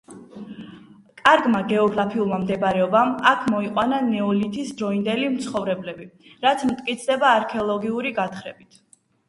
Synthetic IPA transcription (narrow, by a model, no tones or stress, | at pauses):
kʼaɾɡmaɡɛɔɡɾapʰiulˠmamd̪ɛbɾɛɔbamakʰmɔiqʼwananɛɔlit̪ʰisd̪ɾɔind̪ɛlimt̪sʰχɔvɾɛblɛbi | ɾat̪sʰmt̪ʼkʼit̪sʰd̪ɛbaːɾkʰɛɔlˠɔɡiuɾiɡat̪χɾɛbit̪ʰ